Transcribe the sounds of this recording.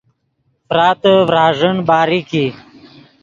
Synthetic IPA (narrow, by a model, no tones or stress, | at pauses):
fɾaːt̪əʋɾaːʐəɳbaːɾiki